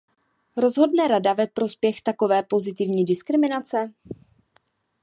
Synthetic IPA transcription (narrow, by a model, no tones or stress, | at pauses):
ɾo̞zɦo̞dnɛɾadavɛpɾo̞spjɛxt̪ako̞vɛːpo̞zɪt̪ɪvɲiːdɪskɾɪmɪnat͡sɛ